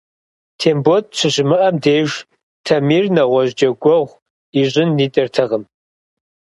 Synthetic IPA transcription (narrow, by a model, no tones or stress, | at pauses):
tʰeːmbot̚ɕʰɨɕɪmɨʔɐmdeːʒ | tʰɐmiːrnɐʁʷɔʑd͡ʒɐɡʷɔʁʷ | iɕʼɪnːiːtʼɐrtʰɐʁəm